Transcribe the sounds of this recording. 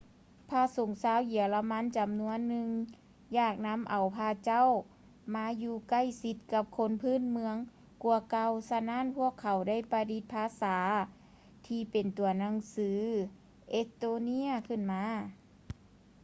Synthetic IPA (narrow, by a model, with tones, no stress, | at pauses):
pʰaː˧˥so˨˩˦ŋsaː˧˥wji˨˩˦ə˦wla˧ma˧˥˨nt͡ɕa˨mnu˧˥ənːɯ˧ŋ | jaː˧˩k̚na˧˥mʔa˨˩wpʰaː˧t͡ɕa˥˨w | maː˧˥juː˧ka˧˥˩jsi˧˦t̪̚ka˧p̚kʰo˧˥npʰɯː˥˨nmɯ˧əŋ | ku˧ɐka˧wsa˧naː˧˥˨npʰu˥˩əkʰːa˨˩wda˥˩jpa˧di˧˦t̪̚pʰaː˧˥saː˩˦ | t̪ʰiː˧pe˨˩nt̪u˨˩ɐna˧˥˨ŋsɯː˨˦ | ʔe˧˥st̪oː˧ni˧˥ɐkʰɯ˧˩nmaː˧˥